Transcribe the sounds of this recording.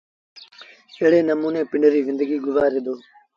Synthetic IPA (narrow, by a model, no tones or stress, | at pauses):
eːɽeːnəmuːneːpɪɳɖɾiːʋɪ̃nd̪əɡiːɡʊʋaːɾeːd̪oː